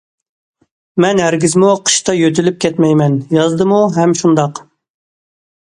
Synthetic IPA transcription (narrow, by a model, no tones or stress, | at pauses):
mɛnɦæɾɡʲizmuqʰə̥ʃt̪ɑjøt̪ʰylyp̚kʲɛt̪mɛjmɛnjɑzd̪ɨmuɦɛmʃund̪ɑq